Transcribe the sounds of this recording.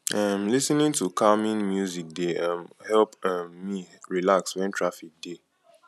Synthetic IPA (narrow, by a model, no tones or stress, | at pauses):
ãmlisnĩntukamĩnmjuzik̚deamhɛlpamːiɹilakswɛ̃ntʰɹafik̚de